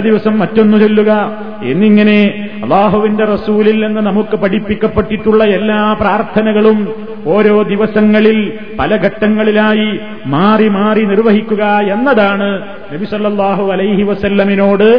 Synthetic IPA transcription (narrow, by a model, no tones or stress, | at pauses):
d̪iʋɐsɐmːɐtːo̞nːumt͡ɕelːuɣɐ | e̞̰nːiŋːɐne̞ | ɐlːaːɦuʋinde̞rɐsuːlilːenːɨnɐmukːɨpɐɽipːikʲːɐpːeʈːiʈːuɭːɐelːaːpraːrt̪ʰɐnɐɣɐɭum | o̞ːɾo̞ːd̪iʋɐsɐŋːɐɭil | pɐlɐɡʱɐʈːɐŋːɐɭilaːji | maːrimaːrinirʋɐɦikʲːuɣɐe̞nːɐðaːɳɨ | nɐbisɐlːɐlˠˤːaːɦuɐlɐjɦiʋɐsɐlːɐmino̞ːɽɨ